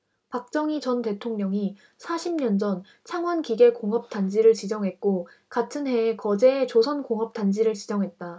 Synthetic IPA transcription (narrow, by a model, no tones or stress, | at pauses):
pak̚t͡ɕ͈ʌŋit͡ɕʌnte̞tʰoŋɲʌŋi | sʰaɕʰimɲʌnd͡ʑʌn | t͡ɕʰaŋwʌnkiɡe̞koŋʌp̚t͈and͡ʑiɾɯɭt͡ɕid͡ʑʌŋɦe̞t̚k͈o | katʰɯnɦe̞ːkʌd͡ʑe̞ːt͡ɕosʰʌnkoŋʌp̚t͈and͡ʑiɾɯɭt͡ɕid͡ʑʌŋɦe̞t̚t͈a